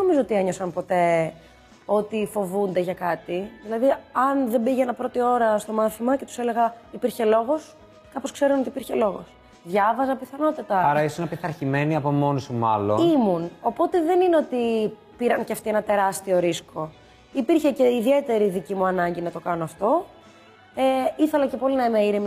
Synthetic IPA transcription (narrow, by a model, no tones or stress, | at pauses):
eno̞mizoot̪ie̞ɲo̞sɐnpo̞t̪e̞ | o̞t̪ifo̞vund̪eʝɐkɐt̪iðilɐðiɐnðe̞mbiʝeenɐpɾo̞t̪io̞ɾɐst̪o̞mɐθimɐce̞t̪u̥se̞le̞ɣɐipiɾçe̞lo̞ɣo̞s | kɐpo̞skse̞ɾunot̪ipiɾçelo̞ɣos | ðʝɐvɐzɐpiθɐno̞t̪ɐt̪ɐɐɾɐisunɐpiθɐɾçime̞niɐpo̞mo̞nusumɐ̰loimuno̞po̞t̪e̞ðe̞nineo̞t̪i | piɾɐnceɐft̪ie̞nɐt̪e̞ɾɐst̪io̞ɾisko̞ | ipiɾçece̞iðie̞t̪e̞ɾiðicimuɐnɐɲɟinɐt̪o̞kɐno̞ɐft̪o̞ | eiθe̞lɐce̞po̞linɐimɐiɾem